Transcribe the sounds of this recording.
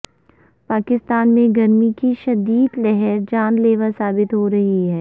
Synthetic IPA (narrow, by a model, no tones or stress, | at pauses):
paːkɪst̪aːnmẽɡɐɾmikiʃɐd̪iːd̪lɛɦɛɾd͡ʒaːnleːʋasaːbɪt̪ɦoɾɐɦiɦɛː